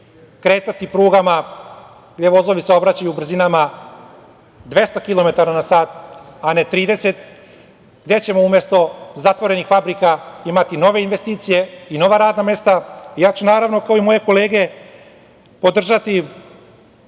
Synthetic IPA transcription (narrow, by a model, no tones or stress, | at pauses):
kɾe̞ːt̪at̪ipɾuːɡama | ɡd̪e̞ʋo̞zo̞ʋiseo̞bɾat͡ɕajubr̩zinama | d̪ʋe̞st̪akilˠo̞me̞t̪aɾanasaːt̪anet̪ɾiːd̪e̞set̪ | ɡd̪e̞t͡ɕe̞mo̞umje̞st̪o̞zat̪ʋo̞ɾe̞nixfabɾikaimat̪ino̞ʋe̞inʋe̞st̪iːt̪sije̞ino̞ʋaɾaːd̪name̞st̪aijaːt͡ɕunaːɾaʋno̞kaoimo̞je̞ko̞le̞ːɡe̞ | po̞d̪r̩ʒat̪i